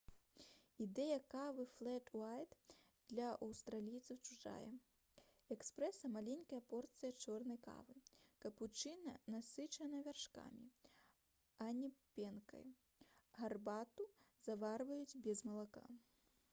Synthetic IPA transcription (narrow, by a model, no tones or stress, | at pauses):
id̪ɛjɐkavɨflˠɛtajt̪ | d̪̥lʲɐʔɐwst̪ɾalʲijt̪sɐwt͡ʂuʐa̰jɛ̰ | ɛkspɾɛsɐmalʲɛnʲkɐjɐpɔrt̪sɨjɐt͡ʂɔrnɐjka̰vɨkɐput͡ʂɨnɐ̰nasɨt͡ʂɐnɐvʲarʂka̰mʲḭ | ɐnʲipʲɛnkɐ̰j | ɣarbat̪uzavarvɐjud͡zʲbʲɛzmɐlˠaka̰